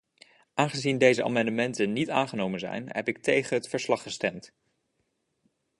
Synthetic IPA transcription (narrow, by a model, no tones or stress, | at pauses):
ʔaːnχəzindejzəʔa̰ːmɑndəmɛntənnitaːnχənowmənzɛ̰jnɦɛ̰pɪk̚tejχənɦətfəɹslɑχəstɛmt